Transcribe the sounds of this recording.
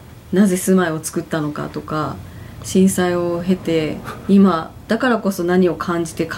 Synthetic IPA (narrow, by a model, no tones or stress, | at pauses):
naze̞sɨmaio̞t͡sɨ̥kɯ̟t̪ːano̞ka̰t̪o̞kaɕĩɰ̃saio̞ɦe̞t̪e̞imad̪̥akaɾako̞so̞naɲ̟io̞kʰãɲ̟d͡ʑi̥t̪e̞k